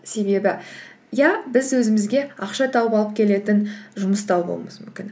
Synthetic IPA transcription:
se̞be̞bɪ | jɑbɪzwɵzɪmɪzɡʲe̞ɑqʃɑt̪ʰɑwəpɑlˠəp̚kʲʰe̞le̞t̪ɪnʒʊməst̪ɑwbo̰lˠməsmʏ̰mkʲɪn

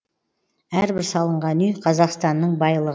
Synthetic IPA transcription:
æɾbɪɾsɑlˠəɴʁɑnʏjqʰɑzɑqst̪ɑnːəɴbɑjlˠəʁə

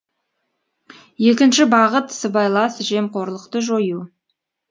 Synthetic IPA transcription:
je̞kʲɪnʃɪbɑʁət̪səbɑjlˠɑsʒe̞mqʰoɾlˠəqt̪əʒo̞ju

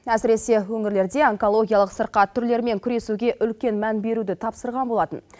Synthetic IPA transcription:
æsɪɾe̞se̞wɵŋɪɾle̞ɾd̪e̞oŋko̞lˠo̞ɡʲijalˠəqsəɾqɑt̪ʰːʏɾle̞ɾme̞ŋkʲʰʏɾe̞suɡʲe̞ʔʏlkʲe̞nmænbe̞ɾud̪ɪt̪ʰɑpsəɾʁɑnbo̞lˠɑt̪ən

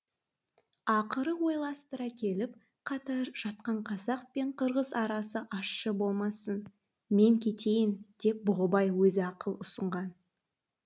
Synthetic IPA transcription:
ɑqəɾəwo̞jlˠɑst̪əɾɑkʲʰe̞lɪp | qʰɑt̪ɑɾʒ̥ɑt̪̚qɑɴqʰɑzɑq̚pe̞ɴqʰəɾʁəzɑɾɑsəʔɑʃːəbo̞lˠmɑsən | me̞ŋkʲʰe̞t̪e̞jɪnd̪̥e̞p̚bʊʁəbɑjwɵzɪɑqəlˠʊsəɴʁɑn

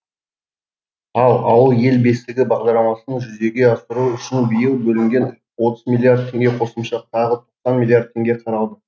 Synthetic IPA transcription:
ɑlˠɑwəlˠje̞lbe̞st̪ɪɡʲɪbɑʁd̪ɑɾlˠɑmɑsənəɴʒʏze̞ɡʲe̞ɑsəɾuʏʃɪnbijəlˠbɵlɪŋɡʲe̞n | wo̞t̪əzmʲilʲˠːiard̪̚t̪ʰːe̞ŋɡʲe̞qʰo̞səmʃɑt̪ʰɑʁət̪ʰo̞qsɑnmilʲˠiard̪̚t̪ʰːe̞ŋɡʲe̞qʰɑɾɑlˠd̪ə

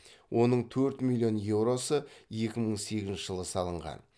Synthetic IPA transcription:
wʔo̞nəɴt̪ʰɵɾt̪milʲːijo̞nje̞wɾo̞səje̞kʲɪməɴse̞ɡʲɪznʃɪʒəlˠəsɑlˠəɴʁɑ̰n

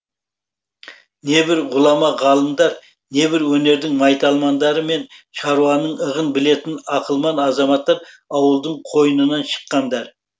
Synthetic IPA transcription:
ne̞bɪɾʁʊlˠɑmɑʁɑlˠəmd̪ɑɾ | ne̞bɪɾwɵne̞ɾd̪ɪŋmɑjt̪ɑlˠmɑnd̪ɑɾəme̞nʃɑɾuwɑnəɴəʁənbɪle̞t̪ɪnɑqəlˠmɑnɑzɑmɑt̪ːɑɾ | ɑwəlˠd̪əɴqʰo̞jənənɑnʃə̥qːɑnd̪ɑɾ

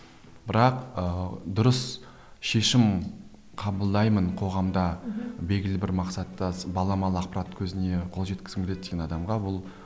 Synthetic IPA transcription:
b̥ɪɾɑqəd̪ʊɾəs | ʃe̞ʃɪm | qʰɑbəlˠd̪ɑjmənqʰo̞ʁɑmd̪ɑbe̞ɡʲɪlɪbɪɾmɑqsɑt̪ːɑbɑlˠɑmɑlˠəɑq̚pɑɾat̪kʲʰɵzɪne̞qʰo̞lˠʒe̞t̪kʲɪzɪmɡʲele̞t̪ːeɡʲenɑd̪ɑmʁɑwʊlˠ

